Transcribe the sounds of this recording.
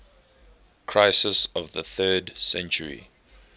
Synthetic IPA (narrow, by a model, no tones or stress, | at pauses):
kʰɹ̥aɪsəsɔvðəθɜːdsɛ̃nt͡ʃəɹḭ